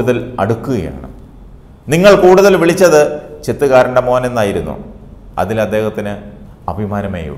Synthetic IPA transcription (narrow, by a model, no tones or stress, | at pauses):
uðɐlɐ̰ɽukːuɣɐja̰ːɳɨ̰ | niŋːɐɭkuːɽuðɐlʋiɭit͡ɕːɐðɨt͡ɕe̞t̪ːuɣaːɾuɳɖɐmo̞ːnenːaːjiɾunːṵɐ̰ðilɐd̪ːe̞ːhɐt̪ːinɨ | ɐbʱimaːnɐmḛːjṵ